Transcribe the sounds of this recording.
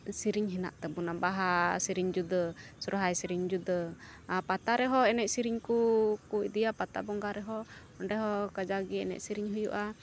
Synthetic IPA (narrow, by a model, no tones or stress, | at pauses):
siɾiŋɦina̰ʔt̪ɛbunabaɦasiɾiŋd͡ʒud̪əsɔɾɦajsiɾiŋd͡ʒud̪ə | pat̪aɾɛɦɔɛnɛʔsiɾiŋkukuid̪ijapat̪a̰bɔŋɡaɾɛɦɔ | ɔɳɖɛɦɔkad͡ʒaɡɛɛ̰nɛ̰ʔsiɾiɲɦujṵʔa